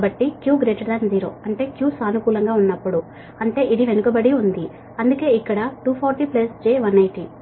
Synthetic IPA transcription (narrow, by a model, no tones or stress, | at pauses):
bɐʈːikjuːɡɾeːʈɐɾd̪ɐnd͡ʒiːɾo̞̰ːɐɳʈe̞ːkjuːsaːnukuːlɐŋɡaːunːɐpːuɽu | ɐɳʈe̞ːʔiɽiʋe̞nukɐbɐɽiund̪i | ɐnd̪uke̞ːikːɐɽɐʈuːpʰɔːɾʈiplɐsd͡ʒeːʋɐnɐjʈi